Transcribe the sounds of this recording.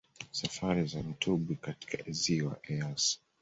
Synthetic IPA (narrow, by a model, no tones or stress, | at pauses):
safaɾizam̩tʰuɓikati̥kaʔiziwa̰ʔɛas